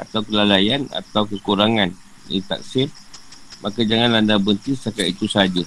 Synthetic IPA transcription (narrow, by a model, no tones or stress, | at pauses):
a̰t̪awkəlalajana̰t̪awkəkuɾaŋan | ḭt̪a̰k̚sɪr | makad͡ʒaŋanlandabənt̪isakait̪usad͡ʒʊt̚